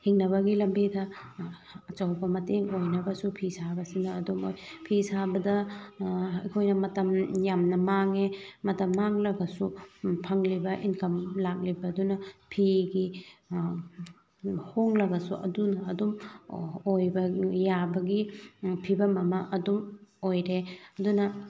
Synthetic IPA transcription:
hiŋnɐβɐɡilɐmbitʰɐ | ɐt͡ʃɐwbɐmɐteŋojnɐbɐsupʰisabɐsinɐːdumojpʰisabɐdɐ | ɐ̰jkʰojnɐmɐtɐmjamnɐmaŋemɐtɐmːaŋlɐɡɐsupʰɐŋlibɐʔinkɐmlak̚libɐdunɐpʰiɡi | hoŋlɐɡɐsuʔɐ̰dunɐːdum | ojbɐjabɐɡipʰibɐmɐmɐʔɐdumojɾeɐdunɐ

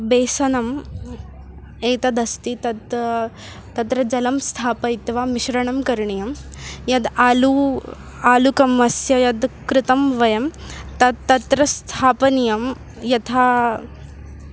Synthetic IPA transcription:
beːsɐnɐm | eːt̪ɐd̪ɐst̪it̪ɐd̪ | t̪ɐt̪ɾɐd͡ʒɐlɐmst̪ʰaːpɐit̪ʋaːmiʃɾɐɳɐmkɐɾɳijɐm | jɐd̪aːlu | aːlukɐmʋɐsjɐjɐd̪kɾɪt̪ɐmʋɐjɐmt̪ɐd̪t̪ːɐt̪ɾɐst̪ʰaːpɐnijɐm | jɐt̪ʰaː

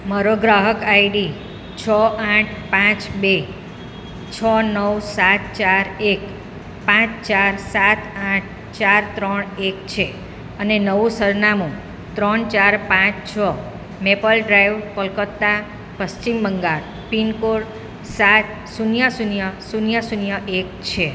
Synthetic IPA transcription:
məɾoɡɾaɦəkaiɖi | t͡ʃʰɔãʈʰpãt͡ʃbe | t͡ʃʰənəwsat̪t͡ʃaɾek | pãt͡ʃt͡ʃaɾsat̪ãʈ̚ʰ | t͡ʃaɾt̪ɾəɳekt͡ʃʰe | ənenəʋũsəɾnamũ | t̪ɾəɳt͡ʃaɾpãt͡ʃt͡ʃʰə | mepəlɖɾajʋpəlkət̪ːa | pəst͡ʃimbəŋɡaɾ | pinkoɽ | sat̪ | sunjəsunjəsunjəsunjəʔek̚t͡ʃʰe

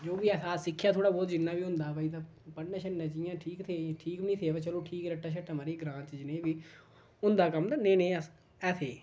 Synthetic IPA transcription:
d͡ʒoːʋiːɛːsaːsɪkʰːjaːt̪ʰoːɽaːbɔːt̪d͡ʒɪnːãːʋiːɦʊ̃nd̪aːpəiːt̪̬ãːpəɽnaːʃʰənnːãːt͡ʃɪjãːʈʰiːkt̪ʰeːʈʰiːknĩːt̪ʰeːʋeːt͡ʃəloːʈʰiːkɾəʈːaːʃʰəʈːamaɾiːɡɾãːnt͡ʃd͡ʒɪnẽːʋiː | ʊnd̪aːkəmt̪anẽːnẽːəs | ɛːt̪ʰeː

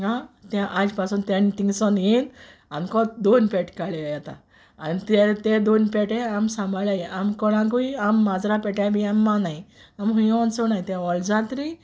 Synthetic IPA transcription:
ãt̪jãʔad͡ʑpasunt̪ent̪ĩŋɡsɔnjenankɔt̪̚d̪onpeʈkaɭejat̪a̰ | anit̪et̪ed̪onpɛʈeamsãmbʱaɭajiʔamkɔɽ̃ãk̬uiamːad͡zɾapɛʈabiamːanaiamɦũjɔ̃nsɔnajt̪jãɔld͡zat̪ɾi

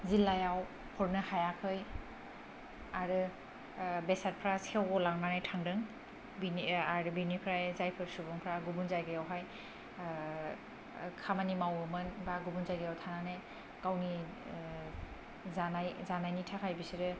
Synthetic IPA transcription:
zilajaw | pʰɔɾnɯhajakʰɯj | aɾɯ | besat̚pʰɾasiawɡɔlaŋnanajtʰaŋdɯŋ | biniaɾɯbinipʰɾajzajpʰɯɾsubɔŋpʰɾaɡubunzajɡɯjawɦaj | kʰamanimawɯmɯnbaɡubunzajɡɯjawtʰaŋnanaj | kawni | zanajzanajnitʰakʰajbisiɾɯ

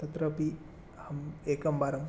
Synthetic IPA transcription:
t̪ɐt̪ɾɐpi | hɐmeːkɐmbaːɾɐm

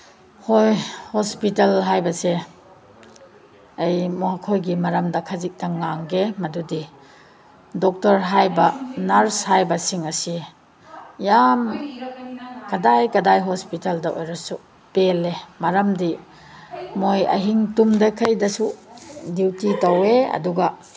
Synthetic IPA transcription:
hojhɔspitɐlɦajbɐse | ɐjmɔɦakʰojɡimɐɾɐmdɐkʰɐzik̚tɐŋaŋɡemɐdudi | dɔk̚tɐɾɦajbɐnaɾshajbɐsiŋɐsi | jam | kɐdajkɐdajɦɔspitɐldɐʔo̰jɾɐsu | pelemɐɾɐmdi | mojɐ̰ɦiŋtumdɐkʰɐjdɐsudiwtitɐweɐ̰duɡɐ

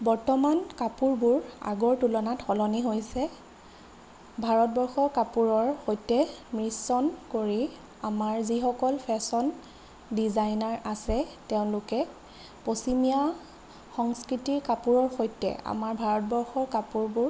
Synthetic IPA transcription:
bɔɹtɔmankapuɹbʊɹa̰ɡɔɹtulɔnatxɔlɔniɦojsɛ | bʱaɹɔt̚bɔɹxɔɹkapuɹɔɹxojtɛmɹisɔnkoɹi | amaɹzixɔkɔlpʰɛsɔn | dizajnaɹasɛteʊ̃nlʊkɛ | posimija | xɔŋskɹitiɹkapuɹɔɹxojtɛ̰a̰maɹbʱaɹɔt̚bɔɹxɔɹkapuɹbʊɹ

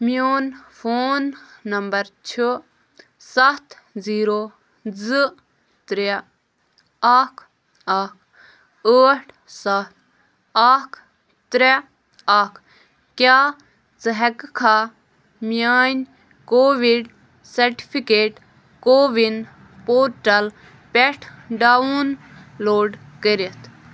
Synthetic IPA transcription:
mijoːnfʰoːnːɐmbɐɾt͡ʃʰu | sɐt̪ʰ | ziːɾoː | zɨ | t̪ɾe | ɐkʰ | ɐkʰ | əːʈʰ | sɐt̪̚ʰ | akʰ | t̪ɾe | akʰ | kjaː | t͡sɨɦɛkkʰa | mijaːnʲ | koːʋiɖ | sɐɾʈi̥pʰikeːʈ | koːʋin | poːɾʈɐl | pɛʈʰɖauːn | loːɖkəɾit̪ʰ

